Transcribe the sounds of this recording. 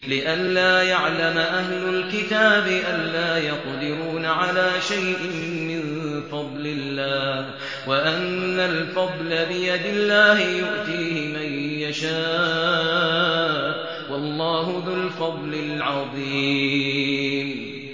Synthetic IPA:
lɪʔanlaːjaʕlamaʔaɦlʊlkɪt̪aːbɪʔanːaːjɑqd̪ɪɾuːnaʕalaːʃajʔɪ | mɪn | fɑd̪ˤlɪlːaːh | waʔanːalfɑd̪ˤlabɪjad̪ɪlːaːhɪjʊʔt̪iːhɪmajjaʃaː | wɑlˤːɑːɦʊðʊlfɑd̪ˤlɪlʕɑðˤiː | m

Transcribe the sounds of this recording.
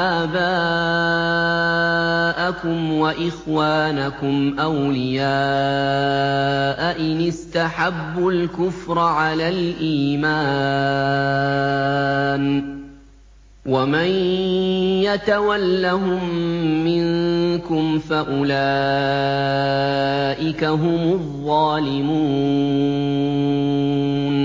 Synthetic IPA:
ʔaːbaː | ʔakʊmwaʔɪxwaːnakʊmʔawlɪjaː | ʔaʔɪnɪst̪aħabːʊlkʊfɾˤʕalaːlʔiːmaː | n | waman | jat̪awalːaɦʊmːɪnkʊmfaʔʊlaː | ʔɪkaɦʊmʊðˤːɑːlɪmuː | n

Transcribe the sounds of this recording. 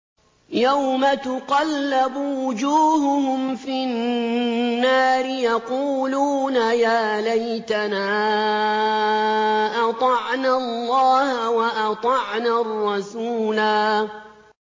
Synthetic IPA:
jawmat̪ʊqɑlːabʊwʊd͡ʒuːhʊhʊmfinː | aːɾɪjɑquːluːnajaːlajt̪anaː | ʔɑt̪ˤɑʕnallːɑːhawɑʔɑt̪ˤɑʕnarˤːɑsuːlaː

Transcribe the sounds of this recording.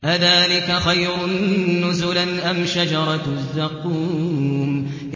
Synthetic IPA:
ʔaðaːlɪkaxajɾʊnːʊzʊlanʔamʃad͡ʒɑɾˤɑzːaquːm

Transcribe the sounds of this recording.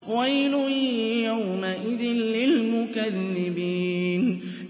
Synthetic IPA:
wajlʊhjawmaʔɪðɪnlɪlmʊkaðːɪbiːn

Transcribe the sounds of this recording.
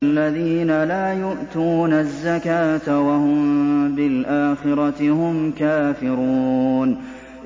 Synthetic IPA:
lːaðiːnalaːjʊʔt̪uːnazːakaːt̪awahʊmmbɪlʔaːxɪɾˤɑt̪ɪhʊmkaːfɪɾuːn

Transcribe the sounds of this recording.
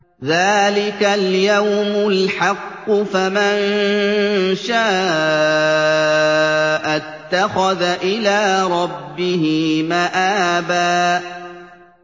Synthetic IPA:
ðaːlɪkaljawmʊlħɑqːʊfaman | ʃaː | ʔat̪ːaxaðaʔɪlaːɾˤɑbːɪɦɪmaʔaːbaːʔ

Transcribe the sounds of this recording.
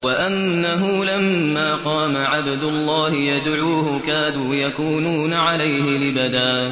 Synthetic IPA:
waʔanːaɦʊlamːaːqɑːmaʕabd̪ʊlˤːɑːhɪjad̪ʕuːhʊkaːnuːjakuːnuːnaʕalajhɪlɪbad̪aː

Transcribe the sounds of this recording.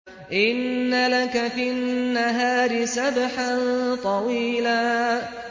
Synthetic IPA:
ʔɪnːalakafinːaɦaːɾɪsabħant̪ˤɑwiːlaː

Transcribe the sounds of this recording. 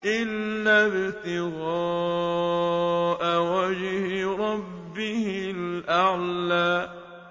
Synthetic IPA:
ʔɪlːaːbɪlt̪ɪɣɑː | ʔawad͡ʒhɪɾˤɑbːɪhɪlʔaʕlaː

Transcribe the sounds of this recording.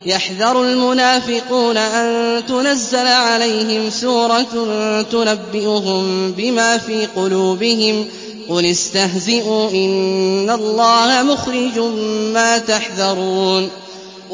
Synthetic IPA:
jaħðɑɾˤʊlmʊnaːfɪquːnaʔant̪ʊnazːalʕalajɦɪmsuːɾˤɑnt̪ʊnabːɪʔʊɦʊmbɪmaːfiːqʊluːbɪhɪm | qʊljast̪aɦzɪʔuːʔɪnːalˤːɑːhamʊxɾɪd͡ʒmaːt̪aħðɑɾˤuːn

